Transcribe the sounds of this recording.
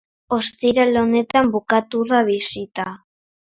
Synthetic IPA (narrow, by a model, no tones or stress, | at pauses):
o̞st̪iɾalone̞t̪ambukat̪uðaβisit̪a